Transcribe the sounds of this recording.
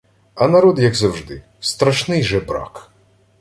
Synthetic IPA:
ɐnɐɾɔd̪jɐɡzɐwʐd̪ɪ | st̪ɾɐʃnɪjʒɛbɾa̰k

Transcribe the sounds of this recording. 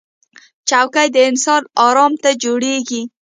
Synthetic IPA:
t͡ʃawkajd̪əɪnsɑnɑɾɑmt̪ad͡ʒoɽeɡi

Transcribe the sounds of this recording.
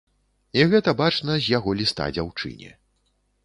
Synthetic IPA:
iɣɛt̪ɐbat͡ʂnɐzʲjaɣɔlʲist̪a̰d͡zʲawt͡ʂɨ̰nʲɛ̰

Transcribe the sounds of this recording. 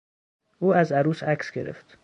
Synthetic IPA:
ʔuːæzæɾuːsæksɟḛɾḛft̪

